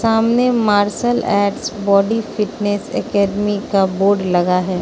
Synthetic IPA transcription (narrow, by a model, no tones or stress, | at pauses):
saːmnemaːɾʃəlɛːʈsbɔːɖifɪʈnesɛ̰kɛːɖmikaboːɾɖlɐɡaɦɛː